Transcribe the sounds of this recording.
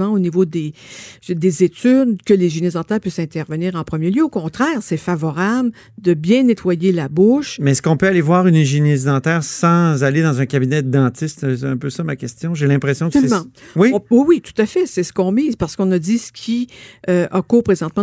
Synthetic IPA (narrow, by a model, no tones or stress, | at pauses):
ɑ̃onivod̪e | d̪ezet̪yd̪kʲəleʒinezd̪ɑ̃t̪ɛːʁpɥɪsɛ̃t̪ɛʁvəniːʁɑ̃pχəmjeljøokɔ̃t̪ʁɛːʁsɛfavɔʁabl | d̪əbjɛ̃net̪wajelabʊʃmɛskɔ̃pøalevwaːʁynɛʒinezd̪ɑ̃t̪ɛːʁsɑ̃zaled̪ɑ̃zɛ̃kʲabinɛd̪ɑ̃t̪ɪst̪sɛɛ̃pøsamakʲɛst̪jɔ̃ʒelɛ̃pʁesjɔ̃km̃wĩwiwit̪u̥t̪afɛsɛsə̥kɔ̃miːzpaʁsə̥kɔ̃nad̪isə̥kʲʰiøʔakuːʁpʁezɑ̃t̪mɑ̃